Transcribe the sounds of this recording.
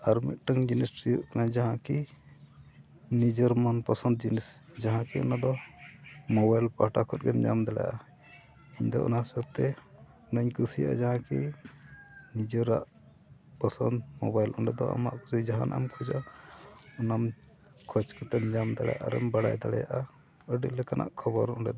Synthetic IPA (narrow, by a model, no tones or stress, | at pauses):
aɾmit̪̚ʈəŋd͡ʒinistijuʔknãd͡ʒaɦãki | nid͡ʒəɾmanpasənd̪̚d͡ʒinisd͡ʒaɦãkiɔnad̪ɔ | mɔbajlpaʈakʰɔt̪̚ɡɛmd͡ʒamd̪aɽa̰ʔa | iɲd̪ɔ̰ʔɔ̰nasəɾ̚t̪ɛ | nəɲkusija̰ʔa̰d͡ʒaɦãki | nid͡ʒɔɾa̰ʔ | pəsɔnd̪mɔbajlʔɔɳɖɛd̪ɔ̰a̰ma̰ʔkusid͡ʒaɦanaʔamkʰud͡ʒa | ɔnam | kʰɔt͡ʃkɔt̪ɛmd͡ʒamd̪aɽɛja̰ʔa̰ɾɛ̰mbaɽa̰jd̪aɽɛ̰ja̰ʔa | əɖiʔlɛkanʔa̰ʔkʰɔbɔɾɔɳɖɛd̪ɔ